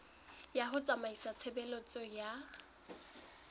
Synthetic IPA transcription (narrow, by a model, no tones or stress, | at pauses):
jaɦʊt͡sʼamaisat͡sʰebɛlɔt͡sʼɔja